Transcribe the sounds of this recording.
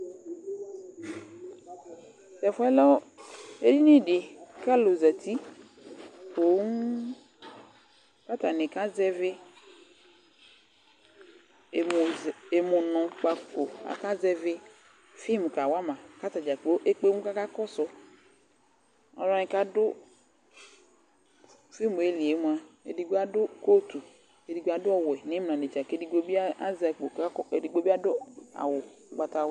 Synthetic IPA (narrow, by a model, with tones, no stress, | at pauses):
sɛ˨fɔ˦ɛ˦lɔ˦e˦di˦nĩ˦ɖi˨ka˦lo˨zɛ˨t̪i˦ | ko˨˦ŋu˦ | ka˦t̪a˨nẽ˨ka˦zɛ˦ve˦˨ | e˨mo˨nɔ̃˨k͡pa˨ko˨a̰˨ka˦zɛ˦ve˦ | fi˦˨m˨ka˨wa˦mã˨ka˦ta˨d͡ʒa˨k͡po˦ʔe˦k͡pe˦mu˦ka˦ka˦kɔ˦sʊ˦ | ɔ̰˨ɾɔ˦ɲĩ˦ka˦dʊ˦ | fi˦˨mu˨e˦li˨e˨˦mũ˦a˦ḛ˨di˨ɡa˦dʊ˦ko˦t̪u˨ | ke˨di˨ɡa˨dʊ˦ɔ˨wɛ˨nɪ̃˦m˨n˨ã˨ne˨t͡ʃa˨ke˦i˦ɡ͡bo˦bi˦a˦a˦za˨k͡po˨˦e˨di˨ɡ͡bo˦bi˦a˦dʊ˦a̰˨wʊ˨k͡pa˨ta˨w